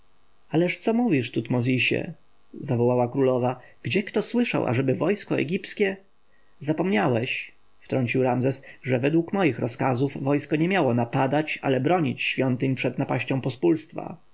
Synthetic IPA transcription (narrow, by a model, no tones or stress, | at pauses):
alɛʂt̪sɔmuvʲiʂt̪ut̪mɔzʲiɕɛ̰ | zavɔwawakɾulɔva | ɡ̥d͡ʑɛkt̪ɔswɘʂa̰wʔa̰ʐɛbɘvɔjskɔɛ̰ɡʲipskʲɛ | zapɔmɲawɛɕ | ft̪ɾɔɲt͡ɕiwɾamzɛsʐɛvɛd̪wukmɔjixɾɔskazuvvɔjskɔɲɛmʲjawɔnapad̪at͡ɕa̰lɛbɾɔɲit͡ɕɕfʲjɔnt̪ɘɲpʂɛd̪napaɕt͡ɕɔ̃w̃pɔspulst̪fa̰